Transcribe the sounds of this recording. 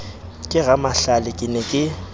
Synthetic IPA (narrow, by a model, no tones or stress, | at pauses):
kʼɪɣamaɬalɪkʼɪnɛkʼɪ